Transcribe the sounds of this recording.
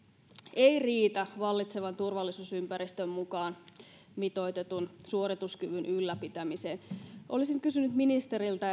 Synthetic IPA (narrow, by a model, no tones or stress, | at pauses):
eiriːt̪æʋɑlːit̪seʋɑnt̪urʋɑlːisusympæɾist̪ømmukɑːn | mit̪o̞jt̪et̪unsuorit̪uskyʋynʔylːæpit̪æmiseːnʔolisiŋkysynyt̪minist̪eɾilt̪ɑ